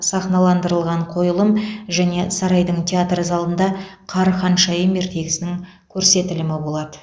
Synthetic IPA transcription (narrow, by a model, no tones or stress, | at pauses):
sɑχnɑlˠɑnd̪əɾəlˠʁɑɴqʰo̞jəlˠəmʒæne̞sɑɾɑjd̪əɴt̪ʲʰeat̪rzɑlˠənd̪ɑqʰɑɾχɑnʃɑjəme̞ɾt̪ʰe̞ɡʲɪsɪnɪŋ | kʲʰɵɾse̞t̪ɪlɪmɪbo̞lˠɑd̪ə